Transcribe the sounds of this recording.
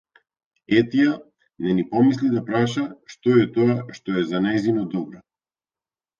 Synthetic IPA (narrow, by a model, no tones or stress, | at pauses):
ɛt̪ija | nɛnipɔmislid̪apɾaʃaʃt̪ɔɛt̪ɔaʃt̪ɔɛzanajzinɔd̪ɔbɾɔ